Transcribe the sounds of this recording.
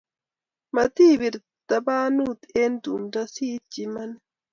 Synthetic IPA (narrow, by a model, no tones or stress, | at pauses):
mɐt̪iːbɪɾ | d̪̥ɐbaːnuːt̪end̪umdɐsiːt͡ʃːɪmɐn